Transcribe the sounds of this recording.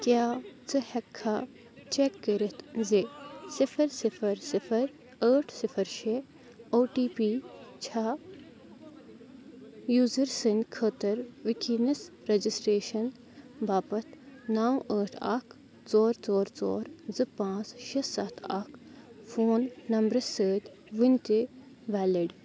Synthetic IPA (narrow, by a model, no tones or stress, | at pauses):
kjaːt͡sɨhɛkʰːa | t͡ʃekːəɾit̪zisifʰɐɾsifʰɐɾsifʰɐɾ | əːʈʰsifʰɐɾʃe | oːʈiːpiːt͡ʃʰa | juːzɐɾsɨnkʰəːt̪ɐɾʋikʰinɐs | ɾed͡ʒisʈɾeːʃɐn | baːpɐt̪ʰnaːwəːʈʰɐ̰kʰ | t͡sɔːɾt͡sɔːɾt͡so̰ːɾzɨpãːt͡sʃissɐt̪ʰa̰kʰ | foːnːɐmbɾɐsəːt̪ʲ | ʋinʲt̪i | ʋaːliɖ